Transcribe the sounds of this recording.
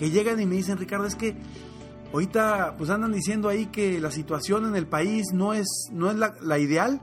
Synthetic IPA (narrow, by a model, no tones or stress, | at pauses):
ke̞ʝe̞ɣanime̞ðis̬e̞nrikaɾðoeske̞ | oɾit̪apwe̞s̬and̪and̪is̬je̞nd̪oaike̞lasit̪wasjo̞ne̞ne̞lpaisno̞e̞snoe̞zlalaiðe̞al